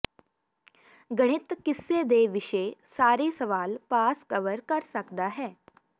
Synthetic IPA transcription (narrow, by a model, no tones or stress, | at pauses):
ɡɐɽ̃ɪt̪kɪsːed̪eːʋɪʃesaːɾesɐʋaːlpaːskəʋəɾkɐɾsɐkd̪aɦɛː